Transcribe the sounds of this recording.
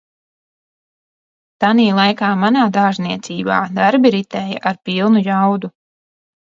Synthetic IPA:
t̪aniːlˠajkaːmanaːd̪aːʒniɛt̪siːba̰ːd̪aɾbiɾit̪ɛːja̰ʔaɾpilˠnujawd̪u

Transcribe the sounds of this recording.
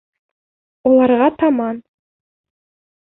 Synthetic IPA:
ulˠɑrʁɑt̪ʰɑmɑn

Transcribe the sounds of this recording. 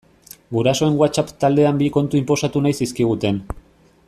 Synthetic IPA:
ɡuɾaso̞e̞ŋɡwat͡ʃapt̪ald̪e̞ambiko̞nt̪uimpo̞sat̪unajsiskiɣ̞ut̪e̞n

